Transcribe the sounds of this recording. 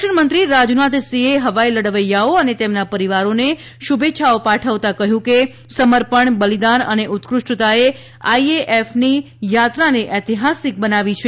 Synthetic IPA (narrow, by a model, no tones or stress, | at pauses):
ʃəɳmənt̪ɾiɾad͡ʒunat̪sieɦəʋailəɽəʋəjaoənet̪emnapəɾiʋaɾone | ʃubetːʃʰaopaʈʰəʋt̪akəɦjũke | səməɾpəɳbəlid̪anəneʔut̪kɾʊʂʈət̪ae | aieʔefni | jat̪ɾaneʔət̪iɦasik̚bənaʋit͡ʃʰe